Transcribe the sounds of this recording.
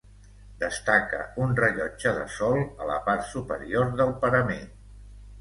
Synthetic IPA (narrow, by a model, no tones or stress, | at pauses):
d̪əst̪akə̰unrəʎɔd͡ʒəðə̰sɔlˠələ̰paɾt̪supəɾioɾðəlˠpəɾəme